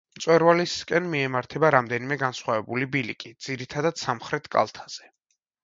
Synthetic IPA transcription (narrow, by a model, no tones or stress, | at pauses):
mt̪sʼwɛɾvaliskʼɛnmiɛmaɾt̪ʰɛbaɾamd̪ɛnimɛɡansχwavɛbulibilḭkʼid̪z̥iɾit̪ʰad̪ad̪̥samχɾɛt̪ʰkʼa̰lˠt̪ʰaz̥ɛ